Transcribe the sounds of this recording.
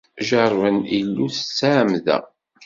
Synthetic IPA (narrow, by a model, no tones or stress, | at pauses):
ʒəɾˤvənilːuθə̥t͡sːaʕmðæ̰